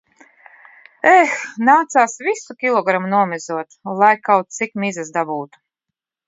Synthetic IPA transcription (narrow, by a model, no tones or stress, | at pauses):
ɛxnaːt̪saːsvisukʲilˠɔɡɾamunuɔmʲɛzuɔt̪lˠajkawt̪̚t̪sikmizasd̪abuːt̪u̥